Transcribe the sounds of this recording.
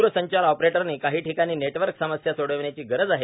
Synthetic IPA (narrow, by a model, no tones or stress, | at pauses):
ɾəsəɲt͡ɕaɾɔpɾeʈəɾniːkaɦiːʈʰikaɽ̃iːneʈʋəɾksəməsjasoɽəʋɳjat͡ɕiːɡəɾəd͡zaɦe